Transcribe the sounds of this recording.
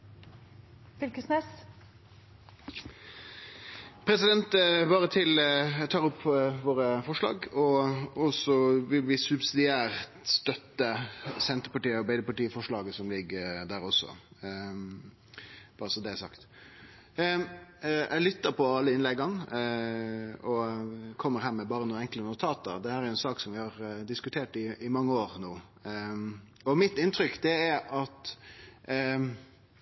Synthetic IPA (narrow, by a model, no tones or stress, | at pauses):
fʏlkəsnɛs | pʰɾɛsɪd̪ɛnt̪bɑːɾət̪ʰɪlt̪ʰɑːɾʊpʰːʋoːɾəfɔʂɭɑ̰ːɡɔɔsɔʋɪlʋɪsʉbsɪd̪ɪæːʁt̪st̪œt̪ːəsɛnt̪əɾpɑʈiːəɔɾbæɪd̪əpʰɑlʈiːəfɔʂɭɑːɡəsɔmlɪɡəd̪æːɾɔsɔ̰ | b̥ɑɾəsɔd̪ɛæsɑ̰kt̪ | ʔɛlʏt̪ːəɾpʰɔɑlːəɪnlɛɡɑn | ɔkʰɔmːəɾɦæːɾmɛbɑːɾənuːnɛŋklənʊt̪ʰɑːt̪əd̪ɛhæːɾæɾjʊɛnsɑːksɔmʋɪhɑɾd̪ɪskʉt̪ʰeːʈɪɪmɑŋːəoːɾnoː | ɔmɪt̪ːɪnt̪ʰɾʏkd̪ɛæɾɑt̪